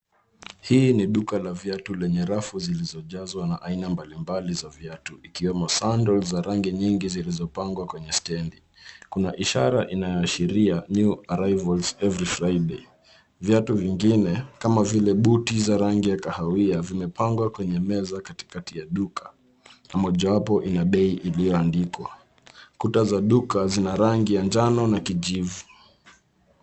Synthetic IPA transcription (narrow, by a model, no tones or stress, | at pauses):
hiːniɗukalavjatulɛɲɛɾafuzilizɔʄazwanaʔainambalimbalizavjatuikiwɛmɔsandɔlzaɾaŋɡiɲiŋɡizilizɔpaŋɡwakwɛɲɛstɛndi | kunaʔiʃaɾa̰ʔinajɔaʃiɾiaɲuaɾajvɔlzɛvɾifɾaiɗe | vjatuviŋɡinɛkamavilɛɓutizaɾaŋɡijakahawiavimɛpaŋɡwakwɛɲɛmɛzakati̥katijaɗukʰḁ | namɔʄawapɔʔinaɓɛiʔilijɔandikwa̰ | kutazaɗukazinaɾaŋɡijaɲd͡ʒanɔnakiʄivu